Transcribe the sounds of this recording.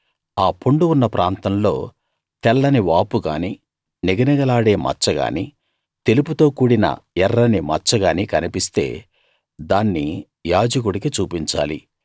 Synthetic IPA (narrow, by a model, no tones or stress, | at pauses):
aːpuɳɖuunːɐpɾʔaːnt̪ɐmlo̞ː | t̪ɛlːɐniʋaːpuɡa̰ːni | niɡɐnɐɡɐlaːɽe̞ːmɐ̰t͡ʃːɐɡa̰ːni | t̪e̞luput̪o̞ːkuːɽinɐ̰ɛrːɐnimɐ̰t͡ʃːɐɡaːnikɐnipist̪e̞̰ː | d̪aːnːi | jaːd͡ʒɐk̬uɽikit͡ʃuːpiɲt͡ʃa̰ːlḭ